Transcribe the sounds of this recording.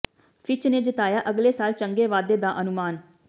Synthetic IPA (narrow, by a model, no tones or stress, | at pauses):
fʰɪt͡ʃneːd͡ʒɪt̪aːjaːʔəɡleːsaːlt͡ʃəŋɡeːʋaːd̪eːd̪aːʔənʊmaːn